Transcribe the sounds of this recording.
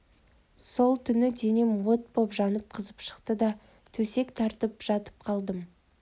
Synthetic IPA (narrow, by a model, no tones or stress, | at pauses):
so̞lˠt̪ʰʏnɪd̪e̞nemwot̪̚bopʒɑnəp̚qʰəzəpʃə̥qt̪əd̪ɑ | t̪ʰɵse̞kt̪ʰɑɾt̪əpʒ̥ɑt̪ə̥p̚qʰɑlˠd̪əm